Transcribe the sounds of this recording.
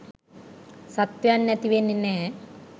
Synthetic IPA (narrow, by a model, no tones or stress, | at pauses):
sɐt̪jɐɐnjɐt̪iʋenːinːe